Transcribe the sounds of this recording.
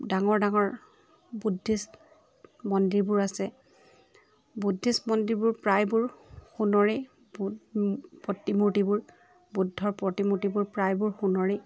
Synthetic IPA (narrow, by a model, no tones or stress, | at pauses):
daŋɔɹdaŋɔɹ | budʱːis | mɔndɹiɹbʊɹasɛ | budʱːismɔndɹibʊɹpɹajbʊɹxunɔɹɛ | b | pɔtimuɹtibʊɹ | budʱːɔɹpɹɔtimutibʊɹpɹajbʊɹxunɔɹɛ